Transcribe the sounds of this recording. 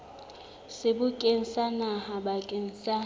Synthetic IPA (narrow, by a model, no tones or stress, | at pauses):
sɪbʊkʼen̩sanahabakʼen̩sa